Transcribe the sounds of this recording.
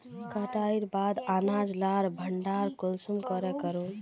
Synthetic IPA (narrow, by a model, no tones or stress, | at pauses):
kət̪aiɾbad̪anad͡ʒlaɾbʱəɳɖaɾkulsumkəɾɛkəɾun